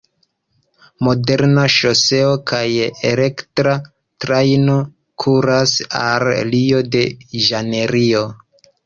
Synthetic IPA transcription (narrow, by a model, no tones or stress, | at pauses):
mo̞de̞ɾnaʃo̞se̞o̞kʰajele̞ktɾa | tɾajno̞ | kʰuɾasa̰llio̞de̞ʒane̞ɾio̞